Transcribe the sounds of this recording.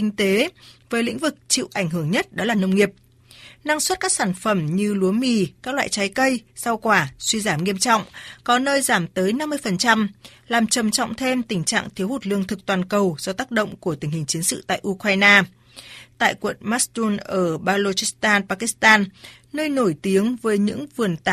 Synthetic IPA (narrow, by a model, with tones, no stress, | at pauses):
ï˧ŋ̟t̪e˨˦vəː˨˦jlḭ̈˧˥ŋ̟vɨ˨˩k̚t͡ɕḭ˧˨wʔa˧˩jŋ̟ɦɨ˧˩əŋɲə˦˥t̚ɗɔ˨˦laː˨˩nə˧wŋ͡mŋi˨˩əp̚ | na˧ŋswə˦˥t̚kaː˦˥k̚saː˧˩nfə˧˩mɲɨ˧lu˨˦ənmi˧˩kaː˦˥k̚la̰ː˧˨jt͡ɕa˨˦jkə˧jsa˧wkwaː˧˩swi˧zaː˧˩mŋi˧əmt͡ɕɔ̰˧˨wŋ͡mkɔ˨˦nəː˧jzaː˧˩mt̪əː˨˦jna˧mːɨ˧əjfə˨˩nt͡ɕa˧mlaː˨˩mt͡ɕə˨˩mt͡ɕɔ̰˧˨wŋ͡mt̪ʰe˧mt̪ï˧˩ŋ̟t͡ɕa̰ː˧˨ŋt̪ʰi˨˦whu˨˩t̚lɨ˧əŋt̪ʰɨ˨˩k̚t̪waː˨˩nkə˨˩wzɔ˧t̪aː˦˥k̚ɗə̰˧˨wŋ͡mku˧˩ət̪ï˧˩ŋ̟hï˨˩ŋ̟t͡ɕi˨˦ənsɨ̰˧˨t̪a̰ː˧˨jʔu˧kwaː˧jnaː˧ | t̪a̰ː˧˨jkwə̰˧˨nma˦˥st̪u˧nʔəː˧˩ɓaː˧lo˧t͡ɕi˦˥st̪aː˧npaː˧ki˧˦˥st̪aː˧nː | əː˧jno˧˩jt̪i˨˦əŋvəː˨˦jɲɨ̰˧˥ŋvɨ˨˩ənt̪a˧